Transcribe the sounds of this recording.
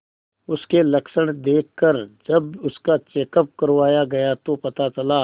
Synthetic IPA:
ʊskelɐkʃəɽ̃d̪eːkʰkːəɾd͡ʒɐbʊskat͡ʃeːkəp̚kɐɾʋaːjaɡɐjat̪opɐt̪at͡ʃɐlaː

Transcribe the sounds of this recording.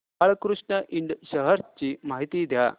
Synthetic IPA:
aɭkɾuʂɳəʔiɳɖɕəɦəɾt͡ɕiːmaɦit̪iːd̪ʱja̰

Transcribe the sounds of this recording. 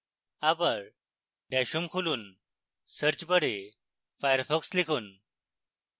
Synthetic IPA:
abəɾ | ɖɛɕuːmkʰuluːn | səɾt͡ɕbəɽe | fajəɾfɔkslikʰuːn

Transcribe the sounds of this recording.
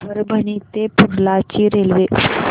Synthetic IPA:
əɾbʱənit̪epuɾlat͡ɕiːɾelʋe

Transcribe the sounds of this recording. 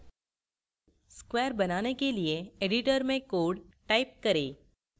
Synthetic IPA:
skweːəɾbɐnaːnekelieeːɖɪʈəɾmẽkoːɖʈaːɪp̚kɐɾeː

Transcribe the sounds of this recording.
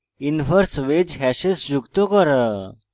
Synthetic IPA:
infəɾsʋed͡ʑɦɛɕesd͡ʑukt̪okəɾə

